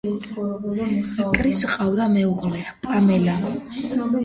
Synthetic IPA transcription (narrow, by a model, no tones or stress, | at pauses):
akʼɾisqʼawd̪amɛuʁlɛapʼamɛla